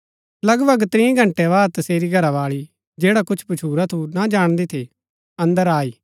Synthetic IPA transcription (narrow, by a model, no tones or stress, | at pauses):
lɐɡbɐɡt̪ɾĩːɡʱɐ̃ɳʈɛʋaːd̪̚t̪ɐseːɾiɡʱɐɾaʋaːɭi | d͡ʒeːɽakʊt͡ʃʰpʊt͡ʃʰuːɾat̪ʰunad͡ʒaːɽ̃d̪et̪ʰe | ɐ̃nd̪əɾaːiː